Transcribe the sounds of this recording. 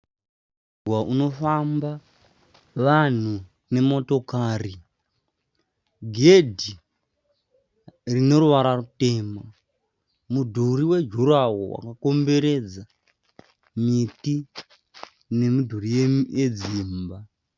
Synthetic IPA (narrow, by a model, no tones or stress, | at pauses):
waʔuno̞famba | ʋan̤u | ne̞mo̞to̞kaːri | ɡʱe̞dʱi | rino̞ɾuʋaɾarute̞ːma | mudʱuɾiwe̞d͡ʒʱuɾawo̰wa̰kako̞mbe̞ɾe̞d͡za | miti | ne̞mudʱuɾijeje̞d͡ziːmba